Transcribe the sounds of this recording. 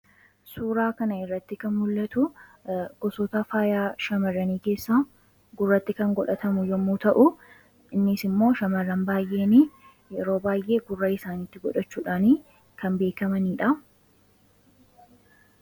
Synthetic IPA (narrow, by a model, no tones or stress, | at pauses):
suːɾaːkɐnɐɪrːɐt̪ːɪkɐnmʊlːɐt̪ʊ | ɡ̥ɔsɔt̪afaːjaːʃɐmɐrːɐniːke̞ːsːaː | ɡʊrːɐt̪ːɪkɐŋɡɔᶑɐt̪ɐmʊjɔmːuːt̪ɐʔʊ | ɪnːɪsɪmːo̞ːʃɐmɐrːɐnbaːjʔːeːniː | jɛɾo̞ːbaːjʔe̞ːɡʊrːaːɪsaːniːt̪ːɪɡɔᶑɐt͡ʃːuːᶑaːniː | kɐmbe̞ːkɐmɐniːᶑɐ